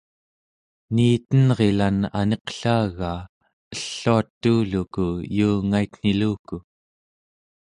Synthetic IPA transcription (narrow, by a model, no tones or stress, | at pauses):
niːt̪ənʁe̞lana̰ne̞qɬaːɣaː | əɬːuat̪ːuːlukujuːŋaik̪n̥iluːku